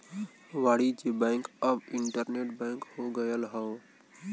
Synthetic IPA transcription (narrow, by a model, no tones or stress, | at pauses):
ʋaːɽid͡ʒebɛ̃ɪŋkəbɪɳʈəɾneːʈbɛ̃ɪŋkhoɡəjəlɦəː